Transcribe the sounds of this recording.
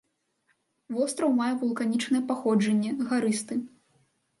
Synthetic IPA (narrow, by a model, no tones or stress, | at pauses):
vɔst̪ɾɐwmajɛvulˠkanʲit͡ʂnɐjɛpaxɔd͡ʐɐnʲːɛɣaɾɨst̪ɨ